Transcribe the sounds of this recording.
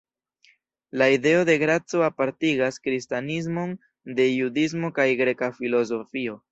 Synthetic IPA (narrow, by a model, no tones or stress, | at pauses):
laide̞o̞de̞ɡɾat͡so̞apaɾtiɡaskɾistaniz̬mo̞n | de̞judiz̬mo̞kajɡɾe̞kafilo̞z̬o̞fio̞